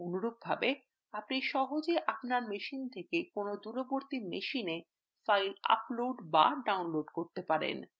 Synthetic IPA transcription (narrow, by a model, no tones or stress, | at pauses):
onuɾoɡ̚bʱabe | apniʃɔɦod͡ʑeʔapnaɾmeʃint̪ʰekekonod̪uɾoboɾt̪imeʃine | fajla̰ploɖba̰ɖawnloɖkoɾt̪epaɾḛn